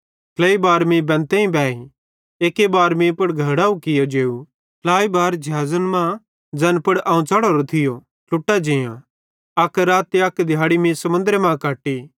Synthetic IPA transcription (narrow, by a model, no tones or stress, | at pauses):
kʰlɐibaːɾmĩbɛ̃ːnt̪ẽĩbɛːi | eːkebaːɾmĩːpɐɽɡʱɐɾɽaːũkɪjod͡ʒeːu | pʰlaːibaːɾd͡ʒɐɦaːzənmã | d͡zɐnpɐɽaːũt͡saːɽoɾot̪ʰɪjo | lʊʈːad͡ʒɪ̃jã̰ | ɐkɾaːt̪eɐkd̪ʱɪjaːɽimĩsɐmʊ̃nd̪ɾemãːkaːʈːi